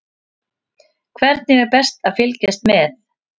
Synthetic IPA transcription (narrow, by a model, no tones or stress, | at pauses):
kʰvɛɾt̪nɪɛɾpɛst̪aðfɪlcɛst̪mɛθ